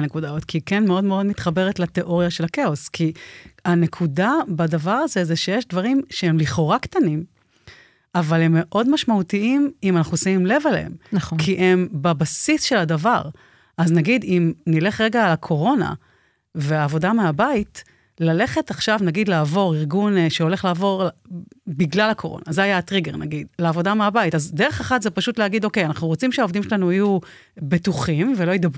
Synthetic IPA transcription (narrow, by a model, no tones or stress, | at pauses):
nekudaot̪kʰikenmeo̞dme̞o̞d̪mit̪χabe̞ʁetlat̪e̞ʔo̞ʁjaʃe̞lakeoskʰiane̞kʰudabad̪avaʁaze̞zeʃejeʃdvaʁimʃee̞mliχo̞ʁakt̪anim | avale̞mːe̞ʔo̞dmaʃmautiimimanaχnusaimle̞valḛḛmnkʰiʔembabasisʃe̞ladavaʁ | ʔaznaɡidimnile̞χʁe̞ɡaːlakʰo̞ʁo̞na̰ | veaːvo̞dameabait | lale̞χe̞taχʃavnaɡid̪laːvo̞ʁiʁɡunʃeo̞le̞χlaːvo̞ʁlbiɡlalakʰo̞ʁo̞̰na̰zeajatʁiɡeʁna̰ɡid̪leavo̞dameabaitazdeʁeχeχatzepaʃutleaɡido̞ke̞janaχnuʁo̞t͡simʃeaovd̪imʃelanuaju | betuχimvelo̞jidab